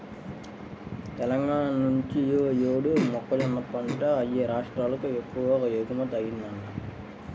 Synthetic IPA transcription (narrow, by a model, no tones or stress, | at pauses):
t̪ɛlɐŋɡaːɳɐnuɲt͡ʃijjoːɽumɔkːɐlɐmːɐt̪ːɐɳʈɐɐjeɾaːʂʈɾaːlɐkuekːuʋɐkɐjeɡumɐt̪ɐjinːɐnːɐ